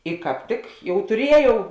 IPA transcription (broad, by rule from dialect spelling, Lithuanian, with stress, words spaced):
ɪ kɑːp ˈtʲɪk ˈjɛʊ tʊˈrʲiɛˌjɛʊ